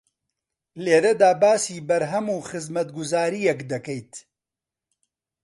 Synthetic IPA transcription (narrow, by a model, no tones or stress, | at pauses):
leːɾɐd̪aːbaːsiːbɐɾɦɐmuːxɨzmɐt̪̚ɡʊzaːɾijɛkd̪ɐkɛjt̪